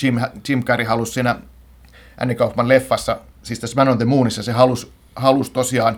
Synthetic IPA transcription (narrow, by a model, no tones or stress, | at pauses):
imt͡ʃimkɑrihɑlussiːnæ | ʔæ̰nːikɑupːɑnlefːɑsːɑ | siːst̪æsmænont̪emuːnisjɑsehɑlus | hɑlust̪osiɑːn